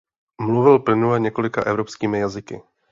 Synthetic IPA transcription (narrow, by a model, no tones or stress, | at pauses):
mluvɪlplɪnulɛɲɛko̞lɪka̰ʔɛvɾopskiːmɪjazɪkɪ̰